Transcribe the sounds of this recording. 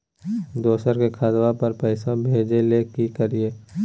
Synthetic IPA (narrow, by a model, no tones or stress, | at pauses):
d̪oːsəɾkekʰaːd̪wapɐɾpəɪsãbʱeːd͡ʒelekikəɾieː